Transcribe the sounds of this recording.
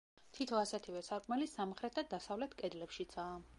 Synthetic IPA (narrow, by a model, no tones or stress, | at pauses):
t̪ʰit̪ʰɔasɛt̪ʰivɛsaɾkʼmɛlisamχɾɛt̪ʰad̪asavlɛt̪ʰkʼɛd̪lɛpʃit̪sʰaː